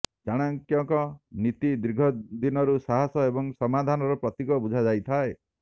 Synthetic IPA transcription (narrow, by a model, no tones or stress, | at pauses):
d͡ʒaɽ̃aŋkjɔŋkɔnit̪id̪ɾiɡʱɔd̪inɔɾusaɦasɔebɔŋsɔmad̪ʱanɔɾɔpɾɔt̪ikɔbud͡ʒʱad͡ʒajt̪ʰae